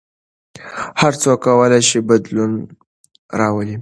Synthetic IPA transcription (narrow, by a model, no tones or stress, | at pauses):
haɾt͡sokːawəlajʃibad̪lun | ɾɑwəli